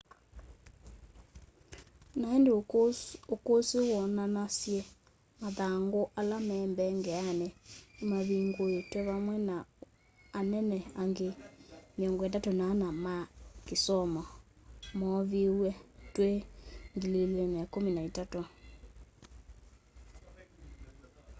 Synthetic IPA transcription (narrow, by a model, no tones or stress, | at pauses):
naɛndeookosewɔnanasjɛ | maðaŋɡoʔalamɛːmbɛŋɡɛanɛmaβiŋɡoetwɛβamwɛnaː | nɛnɛaŋɡemeɔŋɡɔɛtatonanamakesɔmɔmɔβewɛtweŋɡilelenaakominaetato